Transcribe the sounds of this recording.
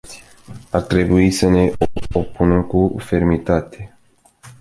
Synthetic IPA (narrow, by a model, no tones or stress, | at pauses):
art̪ɾe̞buisəne̞opunəkufe̞rmit̪at̪e̞